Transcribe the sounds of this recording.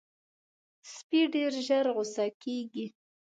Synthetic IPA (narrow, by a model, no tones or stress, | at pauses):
spiɖeɾʒaɾɣʊsɑkeɡi